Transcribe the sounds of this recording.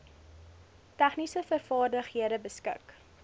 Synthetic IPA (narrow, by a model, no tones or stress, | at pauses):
tæχnisəfərfɑːrdəχhiəɾəbəskə̰k